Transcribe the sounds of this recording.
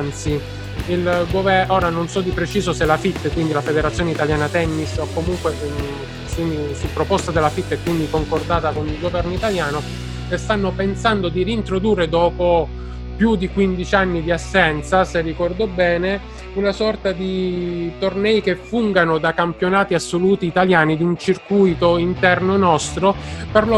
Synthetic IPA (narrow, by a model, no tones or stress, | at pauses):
nt̪si | ilɡovɛoːɾanonsɔd̪ipɾet͡ʃiːzoselafit̪ːekwind̪ilafed̪eɾat̪sːjoːneit̪aljaːnat̪ɛnːisokːomuŋkwe | susupːɾopɔst̪ad̪elːafit̪ːekːwind̪ikoŋkord̪aːt̪akonilɡovɛrnoit̪aljaːno | est̪anːopensand̪od̪iriːnt̪ɾod̪uːrːed̪ɔːpo | pjud̪ikwind̪it͡ʃianːid̪iasːɛnt̪saserːikɔrd̪obɛːne | unasɔrt̪ad̪it̪ornɛːjkefːuŋɡanod̪akampjonaːt̪iasːoluːt̪iːt̪aljaːnid̪iunt͡ʃirkujt̪oint̪ɛrnonɔst̪ɾoperlo